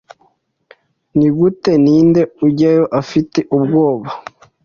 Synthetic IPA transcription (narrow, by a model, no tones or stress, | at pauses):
niɡute̞niːnde̞uɟajo̞ʔafite̞ʔub̚ɡo̞ːβa